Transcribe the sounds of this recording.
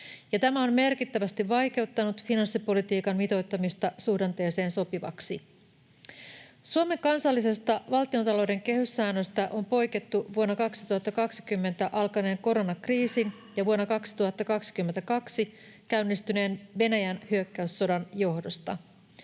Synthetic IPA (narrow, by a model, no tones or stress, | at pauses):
jɑt̪æmæo̞nme̞rkit̪ːæʋæst̪iʋʋɑjk̟e̞uwt̪ːɑnut̪finɑnsːipo̞lit̪iːkɑnmit̪o̞jt̪ːɑmist̪ɑsuhdɑnt̪e̞ːse̞ːnso̞piʋɑ̰ksi | suome̞ŋkɑnsɑlːise̞st̪ɑʋɑlt̪io̞nt̪ɑlo̞wde̞ŋk̟e̞hysːæːnːøst̪æʔo̞mpo̞jket̪ːuʋuonːɑkɑksi̥t̪uhɑt̪ːɑkɑksi̥kymːe̞nt̪æʔɑlkɑne̞ːŋko̞ɾo̞nɑkriːsin | jɑʋuonːɑkɑksi̥t̪uhɑt̪ːɑkɑksi̥kymːent̪ækɑksi | kæynːist̪yne̞ːnʋe̞næjænhyøkːæysːo̞dɑnjo̞hdo̞st̪ɑ̰